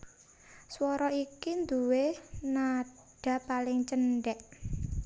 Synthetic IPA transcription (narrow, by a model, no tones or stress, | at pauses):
swɔɾɔikind̪uwenaɖ̥a̤palɪŋt͡ʃənɖɛʔ